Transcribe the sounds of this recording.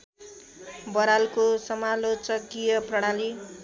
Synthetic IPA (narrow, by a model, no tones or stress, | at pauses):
bʌɾalkosʌmalot͡sʌkijʌprʌɽ̃ali